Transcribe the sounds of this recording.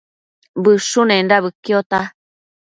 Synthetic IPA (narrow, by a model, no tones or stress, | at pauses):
bɨʂunẽnɾaβɨkjot̪a